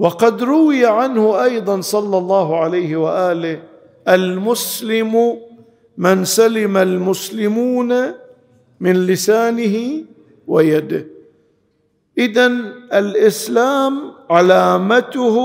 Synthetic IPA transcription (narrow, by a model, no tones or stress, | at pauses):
wɑqɑd̪ɾʊwɪjaʕanhʊʔɑjd̪ˤɑnsˤɑlːɑlˤːɑːɦʕalajhɪwaʔaːlɪh | ʔalmʊslɪmʊ | mɪnsalɪmalmʊslɪmuːna | mɪnlɪsaːnɪɦɪ | wajad̪ɪh | ʔɪðanʔalʔɪslaːmʕalaːmat̪ʊh